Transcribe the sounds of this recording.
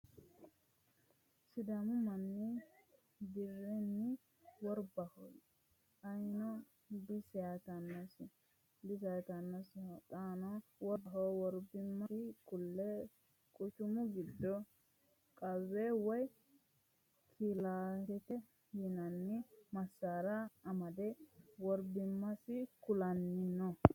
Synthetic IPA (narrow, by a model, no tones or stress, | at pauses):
sɪd̪ɐmʊmɐnːɪ | d̪ɪrːɛnːɪ | wɔɾbɐhɔj | ɐjnɔ | bɪsɛjat̪ɐnːɐsɪ | bɪsɐjt̪ɐnːɐst̪ʼaːnɔwɔɦɔwɔɾbɪmːɐɪkʊlːɛ | kʼʊt͡ʃʊmʊɡɪd̪ːɔ | kʼɐβːewɔj | kʰilaːhɛt̪ɛ | jɪnɐnːɪmɐsːaːɾɐːmɐd̪ɛwɔɾbɪmːɐsɪkʊlɐnːɪnːɔ